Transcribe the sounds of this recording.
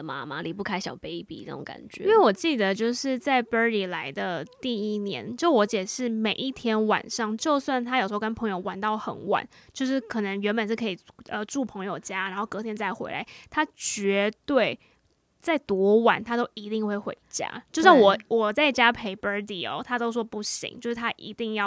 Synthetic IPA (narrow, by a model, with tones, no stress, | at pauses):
ma̰˦ma˨li˨˩pu˥˩kʰa˥ɪɕjɑ˨˩ʊpe˥ɪpḭ˨na̰˥˩ʈ͡ʂo̰˨˧˦ŋka̰˨˩nt͡ɕɥɛ̰˨˧˦we˥˩ɪwɔ˨˩t͡ɕi˥˩d̪ə˩t͡ɕjo˥˧ʊʂɻ̩˥˧t͡sa˥˩ɪpə˥li˨˩la˧˥ɪd̪ə˧t̪i˥˩i˥njɛ̰˧˦nt͡ɕjo˥˧˩ʂwɔ˧˥t͡ɕjɛ˨˩ʂɻ̩˥˩me˨˩ɪʔi˥˩t̪ʰjɛ˥nwa̰˨˩nʂɑ˥˧ŋt͡ɕjo˥˧ʊswa˥˩nt̪ʰa˥jʂ̩˧˥˧kə˥npʰɤ˧˥ŋjo˥˧ʊwa˨˩nt̪ɑ˥˩ʊxə̰˨˩nwa̰˨˩˦nt͡ɕjo˥˧ʊʂ̬ɻ̩˥˩kʰɤ˨˩nə˧˦ŋɥɛ˧˥nbə˨nʂɻ̩˥˩kʰɤ˧˥i˨˩ʔə˧ʈ͡ʂu˥˩pʰɤ˧˥ŋjo˨˩ʊt͡ɕja˥ɻa˧˥nxo˥˩ʊkɤ˧˥t̪ʰjɛ˥nt͡sa˥˩ɪxwḛ˧˥ɪla̰˨˧˦ɪt̪ʰa˥t͡ɕɥɛ˧˥t̪we˥˩ɪ | t͡sa˥˩ɪt̪wɔ˧˥wa˨˩˦nt̪ʰa˥t̪o˥ʊʔi˧˥t̪i˥˧ŋxwe˥˩ɪxwḛ˧˥ɪt͡ɕja̰˥t͡ɕjo˥˧ʊɕjŋ˩wɔ˨˩wɔ˨˩t͡sa˥˩ɪt͡ɕja˦˥pʰe˧˥ɪpə˧˥li˨˩ɔ̰˨˩t̪ʰa˥t̪o˥ʊʂ̬wɔ˥pu˥˩ɕḭ˧˦ŋt͡ɕjo˥˧ʊʂɻ̩˥˩t̪ʰa˦˥ʔḭ˧˥t̪i˥˧ŋjɑ˥˨